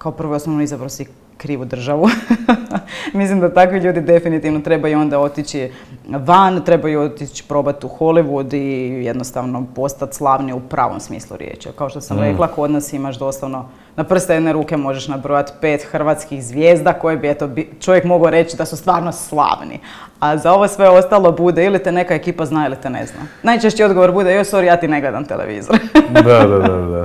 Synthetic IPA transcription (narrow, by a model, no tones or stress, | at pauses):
kaopr̩ʋoosnonoizabɾosi | kɾiːʋud̪r̩ʒaʋu | mislimd̪at̪akʋiʎuːd̪id̪e̞finit̪iʋnot̪ɾe̞bajuo̞nd̪ao̞t̪it͡ɕi | ʋant̪ɾe̞bajuot̪it͡ɕi̥pɾo̞bat̪uxo̞liʋud̪ije̞d̪nost̪aʋno̞po̞st̪at̪slˠaːʋniupɾʔa̰ːʋo̰msmḭːslˠṵɾjḛːt͡ʃa̰kaoʃt̪osamɾeklˠaakood̪nasimaʃd̪o̞slˠaʋno̞ | napr̩st̪ejed̪neɾuːke̞mo̞ʒeʃnabɾojat̪peːt̪xr̩ʋat̪skixzʋjeːzd̪ako̞jebiet̪obit͡ʃo̞ʋjekmo̞ɡoɾet͡ɕid̪asust̪ʋaːɾnoslˠa̰ːʋnḭ | azao̞ʋosʋeo̞st̪alˠo̞bud̪eilit̪ene̞kaekiːpaznaːilit̪enḛzna̰najt͡ʃeʃt͡ɕio̞d̪ɡo̞ʋoɾbud̪ejosoɾijaːt̪ine̞ɡlˠed̪amt̪elḛʋḭːzoɾd̪ad̪aaa